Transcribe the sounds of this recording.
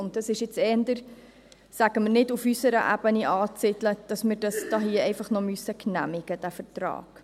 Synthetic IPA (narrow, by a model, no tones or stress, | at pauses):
ʊnt̚d̥ɑsɪʃjɪt͡sɛːəndəɾ | sæɡ̥əmərnɪdufysəɾə̰ʔæ̰b̥əniʔɑːt͡sɪtləd̥ɑsməɾd̥ɑsd̥ɑːɦiːɛɪfɑχnɔmøsəknæ̰mɪɡ̥əd̥æfərtrɑ̰ːɡ̥